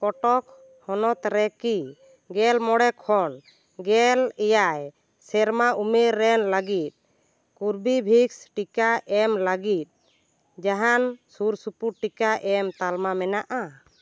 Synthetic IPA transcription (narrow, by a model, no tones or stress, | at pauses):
kɔʈɔk | hɔnɔt̪ɾɛki | ɡɛlmɔɽɛkʰɔn | ɡɛlɛjaj | sɛɾmaʔumeɾːɛnlaɡit̪̚ | kuɾbibʱiksʈikaʔɛmlaɡit̪̚ | d͡ʒaɦansuɾsupuʈikaʔɛmt̪almamɛnaʔa